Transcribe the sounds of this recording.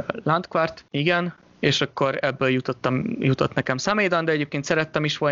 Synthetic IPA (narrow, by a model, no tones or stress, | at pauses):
lant̪kʋart̪iɡɛn | eːʃɒkːo̞ɾɛbːøːljut̪ot̪ːɒmjut̪ot̪nɛkɛmsɑmeːd̪ɒnd̪ɛɛɟeːp̚keːnt̪sɛɾɛt̪ːɛmiʃʋo